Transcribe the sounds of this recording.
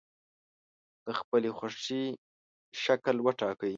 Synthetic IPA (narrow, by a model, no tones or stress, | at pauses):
d̪̥əxpəlexaʂi | ʃaklwəʈɑkəj